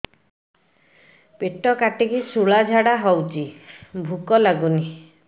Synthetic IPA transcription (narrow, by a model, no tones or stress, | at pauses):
peʈɔkaʈikisuɭad͡ʒʱaɽaɦɔwt͡ʃibʱukɔlaɡuni